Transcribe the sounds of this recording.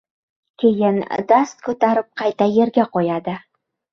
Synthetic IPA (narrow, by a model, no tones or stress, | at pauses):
kʲʰejɪnd̪ast̪̚kʰɵt̪aɾɪp̚qʰɑjt̪aje̞ɾɡʲaqʰojɑd̪ɪ